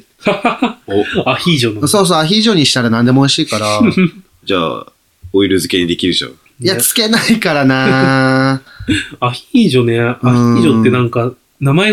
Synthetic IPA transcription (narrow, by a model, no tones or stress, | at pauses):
açiːʑonaso̞ːs̬oːaçʲiːʑo̞ɲ̟iɕi̥t̪aɾanãnd̪e̞mooiɕiːkaɾaa | d͡ʑa̰ː | oiɾɯ̟zɨke̞ɲ̟id̪ekʲiɾɯ̟ɕo̰ː | jat͡sɨ̥ke̞naikaɾana | açiʑo̞neɯãçiʑot̪ːe̞nãŋka | namae